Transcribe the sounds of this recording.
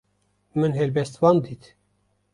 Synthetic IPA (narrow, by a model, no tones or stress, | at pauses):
mɨnɦɛlbɛst̪wɑːnd̪iːt̪